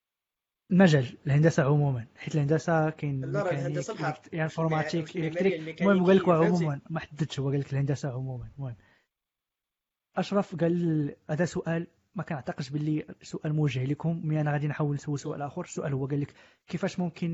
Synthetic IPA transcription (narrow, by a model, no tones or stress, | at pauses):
əlmæʒæləlhənd̪æsaʕʊmumənħit̪əlhənd̪æsakæjnmikæniklk̪jaʕfoɾmæt̪ikələkt̪ɾikmʊhəmɡælːəkwæʕʊmumənmæħad̪ːəd̪ʃhʊwːæɡælːəkəlhənd̪æsaʕʊmumənwæn | ʔɑʃɾˤɑfɡælʔæd̪æsʊʔæl | mækænəʕt̪ɑqəd̪ʃbəlːisʊʔælmʊwəʒəhləkhʊmːiʔænæɣæd̪inħawːəlnsəwːisʊʔæ̰lʔæxuɾəsːʊʔælhʊwːæɡælːək | kːəfæʃmʊmkʰən